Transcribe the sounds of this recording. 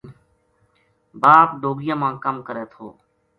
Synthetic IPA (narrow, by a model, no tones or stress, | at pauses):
baːpɖoːɡɪjãːmãːkəmkəɾeːt̪ʰo̰ː